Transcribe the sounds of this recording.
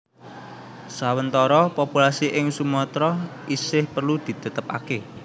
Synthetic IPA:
sawənt̪ɔɾɔpopulasiʔɪŋsumɔt̪ɾɔ | isɪhpərlud̪̥i̤t̪ə̤t̪əpa̰ke

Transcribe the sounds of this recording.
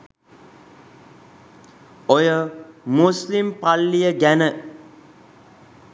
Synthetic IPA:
ojəmuslimpalːijəɡænə

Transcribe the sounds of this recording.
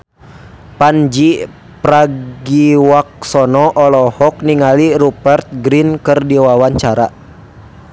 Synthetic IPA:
pand͡ʒi | pɾaɡiwak̚sɔnɔʔɔlɔhɔk̚niŋalirupɛrt̪̚ɡɾinkɨrdiwawaɲt͡ʃaɾa

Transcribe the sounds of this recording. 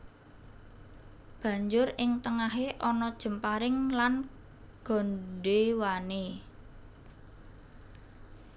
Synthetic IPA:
b̥ä̤ɲd͡ʒʊrɪŋt̪əŋaɦeʔɔnɔd̥ʒ̥ə̤mpaɾɪŋlan | ɡ̥ɔ̤nɖewane

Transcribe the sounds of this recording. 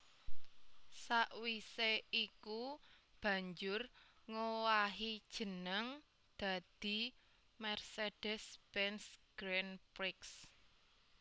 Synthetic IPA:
saʔwiseiku | b̥ä̤ɲd͡ʒʊr | ŋowaɦid̥ʒ̥ə̤nəŋ | d̪̥ä̤d̪̥i̤ | mɛrsed̥ɛsb̥ɛnsɡ̥ɾɛnpɾɪks

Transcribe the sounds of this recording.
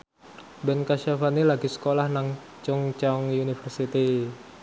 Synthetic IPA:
bɛnkaʃafanilaɡisə̥kolahnaŋ | t͡ʃʊŋt͡ʃaʊŋjunifərsit̪i

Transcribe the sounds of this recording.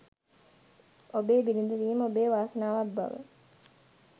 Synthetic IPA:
obeːbilind̪uʋiːməobeːʋaːsɐnaːʋabbːa̰ʋə̰

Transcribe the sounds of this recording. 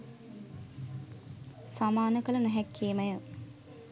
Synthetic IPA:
samaːnəkəlɐnəɦɛkːeːmɐjə

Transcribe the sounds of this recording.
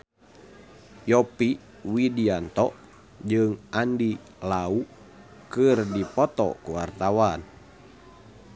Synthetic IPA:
jɔpi | widiant̪ɔʔ | d͡ʒɨŋʔandi | lau | kɨrdipɔt̪ɔ̰kuwart̪awan

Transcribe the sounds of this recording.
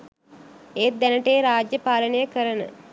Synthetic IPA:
eːt̪̚d̪ænəʈeːɾaːd͡ʒjəpaːlənəjəkəɾənə̰

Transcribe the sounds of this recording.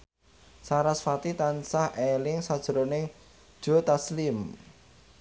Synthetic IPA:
saɾasfat̪it̪ansahelɪŋsad̥ʒ̥əɾone | d̥ʒ̥o̤t̪aslim

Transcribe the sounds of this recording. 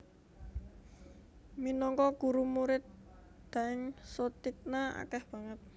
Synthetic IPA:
minɔŋkɔɡ̥uɾumuɾɪt̪̚ | d̪̥aɪŋsot̪ik̚naa̰kɛhb̥a̤ŋət̪̚

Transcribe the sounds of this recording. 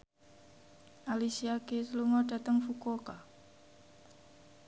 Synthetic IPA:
ʔalisiakesluŋɔda̤t̪əŋfukoka

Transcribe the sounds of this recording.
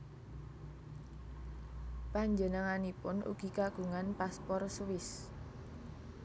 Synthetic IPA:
paɲd͡ʒənəŋanipʊnʔṵɡ̥i̤kaɡ̥ṳŋanpaspɔrswɪs

